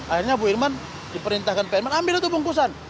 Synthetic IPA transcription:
ahirɲabuirman | dipəɾint̪ahkanpeirmanambɪlut̪ubuŋkus̬an

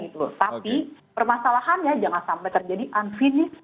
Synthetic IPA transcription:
ɡit̪ut̪api | pərmasalaɦanjad͡ʒaŋansampajt̪ərd͡ʒadiʔanfinɪs

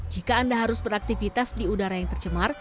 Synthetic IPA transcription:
d͡ʒikaːndaɦaɾʊsbəɾak̚t̪ifit̪asdiudaɾajaŋt̪ərt͡ʃəmar

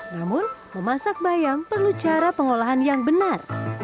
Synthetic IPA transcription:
namʊnməmasak̚bajampərlut͡ʃaɾapəŋolaɦanjaŋbənar

